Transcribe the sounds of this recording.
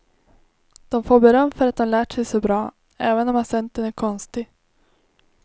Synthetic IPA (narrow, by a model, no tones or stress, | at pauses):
d̪̥ɔmfoːɾbɛɾœmːfœɾat̪̚d̪ɔmlæːʈʂɛjsɔbɾɑː | ɛːvənɔmasɛnt̪ənæɾkʰɔnst̪ɪ